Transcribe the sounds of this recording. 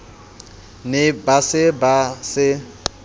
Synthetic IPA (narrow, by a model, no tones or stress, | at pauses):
nɪbasɪbasɪ